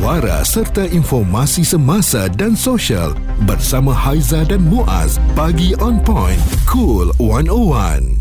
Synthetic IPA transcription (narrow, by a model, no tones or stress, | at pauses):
aɾa̰sərt̪aʔinfɔrmasisəmãsadansoʃia̰l | bərsamãhajzadanmũʔa̰spaɡiʔɔ̃npɔ̃jnkʰulwanowa̰n